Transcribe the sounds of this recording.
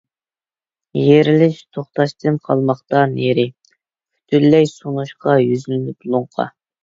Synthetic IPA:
jeɾɪlɪʃt̪ʰoχt̪ɑʃt̪ʰɨnqʰɑlˠmɑχt̪ɑneɾɪ | y̥t̪ʰyllːɛjsonuʃqɑjyzylɪnɪpulˠʊɴqʰɑ̰

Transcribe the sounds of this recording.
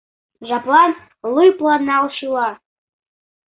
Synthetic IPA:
ʐapʼlan | lɨjpʼlanalʃila

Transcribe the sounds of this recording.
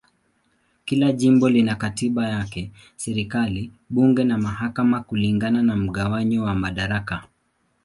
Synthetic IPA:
kilaʄimbɔlinakatiɓajakɛ | sɛɾikali | ɓuŋɡɛnamahakamakuliŋɡananam̩ɠawaɲɔwamaɗaɾaka

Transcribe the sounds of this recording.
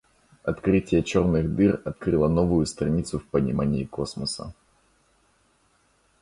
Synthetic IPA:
ɐt̪kɾɪtʲjɛt͡ʃɔrnɪɣd̪ɨrɐt̪̚kɾɨlˠɐnɔvʊjʊst̪ɾɐnʲit̪sʊwpɐnʲimanʲːiːkɔsmɐsɐ̰

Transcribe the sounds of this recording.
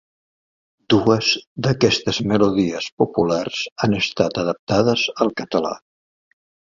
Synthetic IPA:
d̪uəzd̪əkɛst̪əzməluðiəspupularz̥anəst̪at̪əðəp̚t̪aðəzəlˠkət̪əla̰

